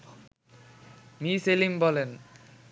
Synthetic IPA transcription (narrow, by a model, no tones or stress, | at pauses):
miselimbɔlen